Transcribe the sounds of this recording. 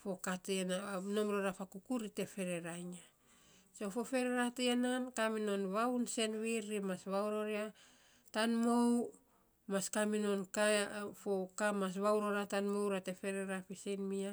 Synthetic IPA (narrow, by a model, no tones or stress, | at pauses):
fo̞katenano̞mɾoɾapakukuɾite̞fe̞ɾe̞ɾajɲa | so̞fo̞fe̞ɾeɾateenankamino̞nβawnse̞nβiɾːimasβawɾo̞ɾia | tanmow | maskamino̞nkafokamas̬βawɾo̞ɾatanmo̞wɾate̞fe̞ɾe̞ɾapisejnmia